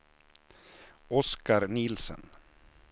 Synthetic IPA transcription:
ɔskaɾnɪːlsə̰n

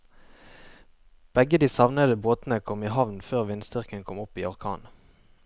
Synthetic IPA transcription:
b̥ɛɡəd̪iːsɑʋnəd̪əboːt̪nəkʰɔmiːhɑʋnføːʁʋɪnsd̪ʏʁkənkʰɔmʊpiːɔʁkʰɑ̰ːn

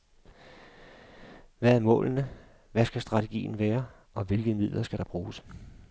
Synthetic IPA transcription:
ʋææɐmɔ̰̽ːlnə | ʋæsɡ̥æsd̥ʁɑ̈t͡sʰeɡ̥ḭːn̩ʋæːɐ | ɒ̽ʋe̝lɡ̥ð̩ˠmið̰ˠlʔɐsɡ̥æɾ̥ɑ̈b̥ʁuːs

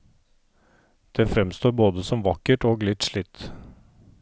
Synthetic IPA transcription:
d̪̥eːfɾɛmst̪oːɾboːd̪əsɔmʋɑkəʈoːɡlɪt̪ʂɭɪt̪ː

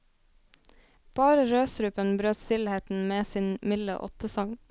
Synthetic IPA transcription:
b̥ɑːɾəɾøːsɾʉːpənbɾøːt̪st̪ɪlheːt̪n̩meːsiːnmɪlə̰ʔɔ̰t̪əsɑŋ

